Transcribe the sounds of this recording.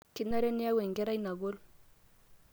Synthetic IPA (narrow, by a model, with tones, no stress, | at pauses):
ki˦na˦ɾe˦ni˦ja˦we˨ŋɡe˦ɾa˦jna˨ɡo˦l